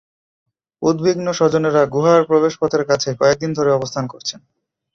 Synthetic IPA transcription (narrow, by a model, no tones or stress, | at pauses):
ud̪biɡnoʃɔd͡ʑoneɾaɡuɦaɾpɾobeʃpɔt̪ʰeɾkat͡ɕʰekɔek̚d̪ind̪ʱoɾeɔbost̪ʰankoɾt͡ɕʰen